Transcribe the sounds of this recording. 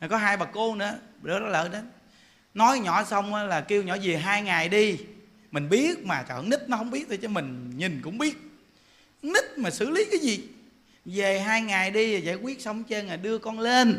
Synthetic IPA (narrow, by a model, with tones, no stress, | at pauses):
a˨˩kɔ˨˦ɦaː˧jɓaː˨˩kko˧˦nɨ̰˧˥əɗo˨˦ɗɔ˨˦lə̰ː˧˨ɗe˨˦n | nɔ˨˦jɲɔ̰˧˩sə˧wŋ͡mʔaː˨˦laː˨˩ki˧əwɲɔ̰˧˥˦zi˨˩əɦaː˧jŋaː˨˩jɗi˧ | mï˨˩ŋ̟ɓi˦˥ət̚maː˨˩t͡ɕɔ̰˧˨˦ni˦˥t̚nɔ˨˦hə˧wŋ͡mɓi˦˥ət̪̚ʰi˨˩t͡ɕɔ˨˦mï˨˩ŋ̟ɲi˨˩ŋ̟kʊ̰˧˥ŋ͡mɓi˦˥ət̚ | ni˦˥t̚maː˨˩sɨ̰˧˥li˨˦kaː˨˦jzi˨˩ | ve˨˩ɦaː˧jŋaː˨˩jɗi˧a˨˩za̰ː˧˥˨jkwi˦˥ət̚sə˨˦wŋ͡mt͡ɕe˧nŋaː˨˩ɗɨ˧əkɔ˧nle˧n